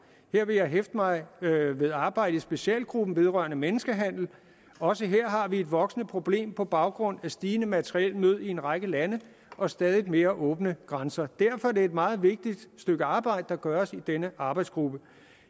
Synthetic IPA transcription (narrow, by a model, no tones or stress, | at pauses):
heɐ̰ʋe̝jɑ̈ɪɦefd̥əmɑ̈ɪʋe̝ð̞ˠɑ̈ːb̥ɑ̈ɪ̰ɾ̥əisb̥e̝ɕɛ̰ːl̚ɡ̥ʁub̥n̩ʋe̝ð̞ˠʁɶɐnəmenəsɡ̥əɦæn̰l̩ | ɒ̽səɦeɐ̰ɦɑ̈ʋie̝d̥ʋɒ̽ɡ̥snəpʰʁo̝b̥le̝̰ːmpʰɒ̽b̥ɑ̈ʊɡ̥ʁɔ̽n̰æsd̥iːnəmæt͡sʰəʁiɛlmøð̞̰ˠie̝nʁɑɪɡ̥əlænə | ʔɒ̽sd̥ɛːðˠid̥me̝ːɐʔɔ̽ːb̥nəɡ̥ʁɑnsɐd̥æɐfɒ̽ɐdeed̥mɑ̈ːð̞̩ˠʋe̝ɡ̥̚d̥id̥sd̥øɡ̥əɑ̈ːb̥ɑ̈ɪ̰d̥əd̥ɑ̈ɡ̥ɶːɐsid̥enəʔɑ̈ːb̥ɑ̈ɪd̥sɡ̥ʁub̥ə